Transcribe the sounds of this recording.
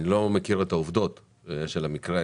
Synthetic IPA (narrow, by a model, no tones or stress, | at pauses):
ilo̞mekiʁet̪auvd̪o̞t̪ | ʃe̞lamikʁe